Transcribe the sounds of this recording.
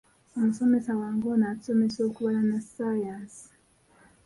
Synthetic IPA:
omuso̞me̞sawaːŋɡoːnau̥so̞meso̞ːkuβalanasaːjaːsi̥

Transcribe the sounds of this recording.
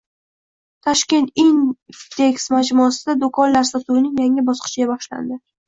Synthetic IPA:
t̪ʰɒʃkʲe̞nt̪ind̪e̞ksmad͡ʒmɒasɪd̪ad̪okʰɒnlaɾsat̪uwɪnɪŋjaŋɪbɒsqʰɨ̥t͡ʃɪɡʲabɒχʃla̰nd̪ɪ

